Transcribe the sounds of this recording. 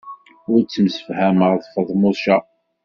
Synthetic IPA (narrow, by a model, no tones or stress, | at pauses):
ʊɾt͡sːəmsə̥fhæməʁðˤfəðˤmʊˤʃɑ